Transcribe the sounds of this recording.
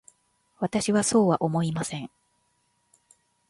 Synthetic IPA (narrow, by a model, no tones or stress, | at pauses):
βat̪aɕiβaso̞ːβaʔo̞mo̞imasẽ̞ŋ